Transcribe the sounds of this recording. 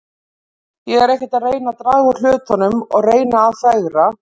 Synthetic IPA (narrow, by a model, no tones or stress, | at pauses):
jɛɣɛɾejhcɪ̥ɾt̪aðreːjnat̪ɾaːɣʏ̥l̥ʏːt̪hɔnːʏmɔ̰ɣreːjnaːðθaɣɾa